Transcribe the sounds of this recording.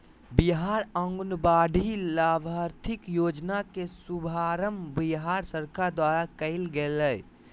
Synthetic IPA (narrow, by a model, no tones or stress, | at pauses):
biɦaɾə̃ŋɡnbaɖʱilabʱaɾt̪ʰɪkjod͡ʒnakesubʱaɾəmbiɦaɾsəɾkad̪waɾakəɪlɡeləj